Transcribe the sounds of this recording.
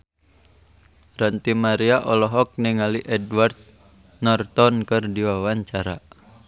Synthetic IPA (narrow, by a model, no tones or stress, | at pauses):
rant̪imaɾiaʔɔlɔɦɔk̚niŋaliʔɛdwart̪̚ | nɔrt̪ɔnkɨrdiwawaɲt͡ʃaɾa